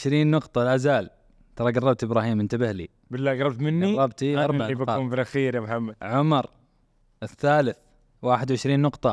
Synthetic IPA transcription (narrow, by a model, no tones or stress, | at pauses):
ɪʃɾiːnːʊqt̪ˤɑlʔazaːl | t̪ɑɾˤɑɡɑrˤːɑb̚t̪ʔɪbɾˤɑːhiːmʔɪnt̪abɪhlḭ | bɪlːaːɡɾˤɑb̚t̪mɪnːɡiˤɑb̚t̪iɑɾˤbibaɑʊmfilʔaxiːɾjamħamːad̪ʕʊmɑɾˤ | ʔɪθːaːlɪθ | waːħɪd̪wʕɪʃɾiːnːʊqt̪ˤɑ